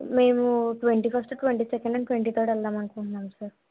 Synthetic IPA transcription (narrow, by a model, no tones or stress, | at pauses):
me̞ːmuʈʋeɳʈiːpʰɐɾsʈuʈʋeɳʈiːsɛkeɳɖɐɳʈʋeɳʈiːt̪ʰəːɾɖɐlːaːmɐnkiuɳnːaːmsaːɾ